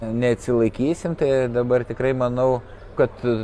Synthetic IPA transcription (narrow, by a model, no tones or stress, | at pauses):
nʲɛɐt̪ʲsʲɪlˠɐɪkʲiːsʲɪmt̪ɐɪd̪ɐbɐrt̪ʲɪkrɐɪmɐnɐʊ | kɐt̪